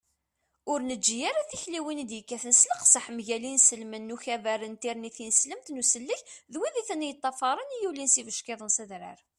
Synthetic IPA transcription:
ʊɾnəd͡ʒːijaɾaθiçliwind̪jəkːæθənsləqsəħmʝælinsəlmənːuçævæɾənt̪iɾniθinəsləmt̪nusəlːəçðwiðiθənːjət̪ˤːɑfɑɾˤənijulinsivəʃkɪðˤənsæðɾə̰ɾ

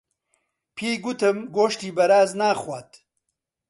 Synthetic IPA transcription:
pʰiːɡut̪ʰɨmɡoːʃt̪iːbɐɾaːznaːχwʷaːt̪

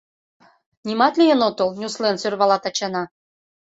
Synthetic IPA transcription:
nʲimɑt̪lʲijenot̪olnʲuslensørβɑlɑt̪ɑt͡ɕɑnɑ

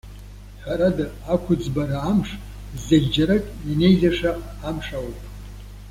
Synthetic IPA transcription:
ħʷᶣaɾada | akʷʰʊd͡zbaɾaːmʂ | zaɡʲd͡ʒaɾakʼjane̞jzaʂaː | mʂawpʼ

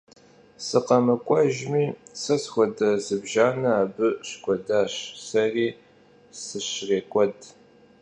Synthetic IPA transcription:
sɨqɐmɐkʷʼɐʒmiːsɐsxʷɔdɐzɨbʒaːnɐaːbɨɕkʷʼɔdaːɕsɐriː | sɨɕreːkʷʼɔd

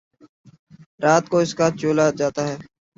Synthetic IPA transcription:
ɾaːt̪̚koːɪskaːt͡ʃoːlaːd͡ʒaːt̪aːɦɛː

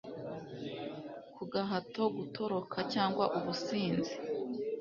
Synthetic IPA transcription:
kuɡaɦatoɡutʰo̞ɾo̞kʰacaːŋɡwaʔuβusiːnzi̥

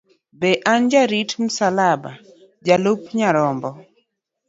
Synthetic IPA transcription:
bɛʔand͡ʒaɾitmusalaba̰ | d͡ʒalopɲaɾɔmbɔ

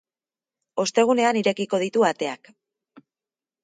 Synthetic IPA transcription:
o̞st̪e̞ɣ̞une̞aniɾe̞kiko̞ð̞it̪uat̪e̞ak

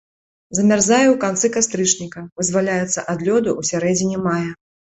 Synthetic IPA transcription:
zɐmʲarzajɛwkant̪sɨkast̪ɾɨt͡ʂnʲikɐvɨzʲvalʲajɛt̪sːɐʔad̪lʲɔd̪uʔusʲaɾɛd͡zʲinʲimajɐ

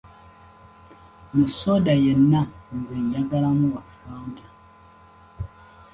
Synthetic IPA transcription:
misodajenːan̩ziɲjaɡalamuβafaːda

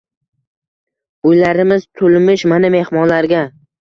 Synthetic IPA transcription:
ʊjlaɾɪmɪzt̪ʰʊlmɪʃmaname̞hmɒnlaɾɡʲa

